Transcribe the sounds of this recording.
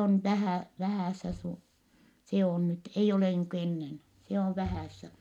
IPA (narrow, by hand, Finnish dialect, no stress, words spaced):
on ʋæhæˑ ʋæhæˑsːæ su se on nyt eij oleˑ niːŋku enːen se oʋ ʋæhæˑsːæ